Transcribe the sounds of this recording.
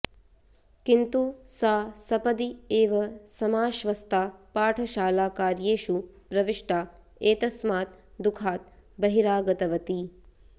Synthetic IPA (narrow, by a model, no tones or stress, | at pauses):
kint̪usaːsɐpɐd̪ieːʋɐsɐmaːʃʋɐst̪ʰaːpaːʈʰɐʃaːlaːkaːɾjeːʃupɾɐʋiʂʈaː | eːt̪ɐsmaːt̪d̪ukʰaːt̪̚bɐɦiɾaːɡɐt̪ɐʋɐt̪i